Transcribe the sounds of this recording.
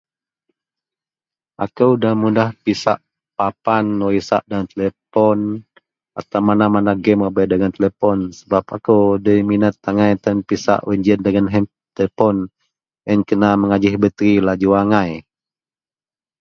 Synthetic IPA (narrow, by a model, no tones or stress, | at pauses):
ʔakəwdahmudahpisa̰ʔ | papanːoisa̰ʔdant̪əlepɔn | at̪awmanamanaɡɛməbɛdəŋant̪əlepɔnsəbapakəwdəminət̪ːaŋajt̪anpisa̰ʔwɛɲd͡ʒəndəŋanɦɛm | t̪epɔn | ənkənaməŋad͡ʒɪhbət̪ɾilad͡ʒuwaŋaj